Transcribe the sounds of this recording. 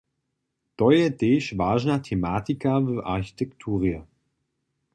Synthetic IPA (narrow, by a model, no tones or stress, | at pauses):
d̥ɔʏədeːʃvaːʒnatʰemaːtikʰavøːʔa̰çi̥tʰɛktʰuːʁiə